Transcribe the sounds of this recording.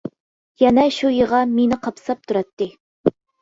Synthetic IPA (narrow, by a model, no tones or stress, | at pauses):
jɛnɛʃujəʁɑmenɪqʰɑpʰɨ̥sɑp̚t̪ʰuɾɑt̪ːɨ